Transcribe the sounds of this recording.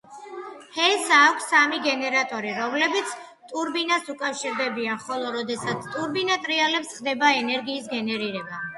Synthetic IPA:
hɛsaːkʷʰsamiɡɛnɛɾat̪ʼɔɾiɾɔmlɛbit̪sʰ | t̪ʼuɾbinasukʼafʃiɾd̪ɛbianχɔlˠɔɾɔd̪ɛsat̪sʰt̪ʼuɾbinat̪ʼɾialɛpsχd̪ɛbaɛnɛɾɡiːsɡɛnɛɾiɾɛba

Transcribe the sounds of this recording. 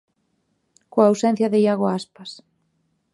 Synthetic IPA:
koaːwsɛn̟θjɐðɪjaɣoaspas

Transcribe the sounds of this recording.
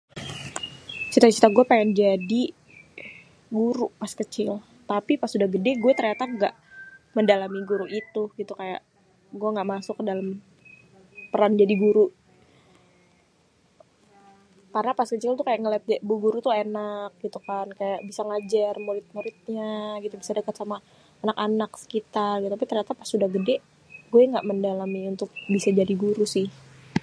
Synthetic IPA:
t͡ʃit̪at͡ʃit̪aɡuɛpaŋɛnd͡ʒadi | ɡuɾupaskət͡ʃɪl | t̪apipasudahɡədɛɡuɛt̪ərɲat̪aɡaʔməndalamiɡuɾuʔit̪uɡit̪ukaja̰ʔ | ɡuɛŋɡaʔmasʊkːədalam | pəɾand͡ʒadiɡuɾuʔ | karənapaskət͡ʃɪlt̪ukajaʔŋəlɛt̪̚d͡ʒaʔbuɡuɾut̪uenak̚ɡ̥it̪ukankajaʔbisaŋad͡ʒarmuɾɪt̪̚muɾɪt̪̚ɲaɡit̪ubisadəkat̪sama | anakanaksə̥kit̪alɡit̪ut̪apit̪ərɲat̪apasudahɡədɛʔ | ɡuɛŋɡaʔməndalamiunt̪ʊk̚bisad͡ʒadiɡuɾusɪh

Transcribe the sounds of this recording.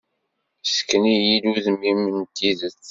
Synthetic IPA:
sə̥kːənijiluðmimːənt̪iðət͡sː

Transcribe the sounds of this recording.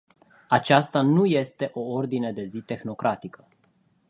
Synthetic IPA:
at͡ʃast̪anuje̞st̪e̞ʔo̞o̞rd̪ine̞d̪e̞zit̪e̞xno̞kɾʔat̪ikʰə

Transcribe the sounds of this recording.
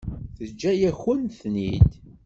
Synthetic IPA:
θəd͡ʒːæjæçənθnid̪

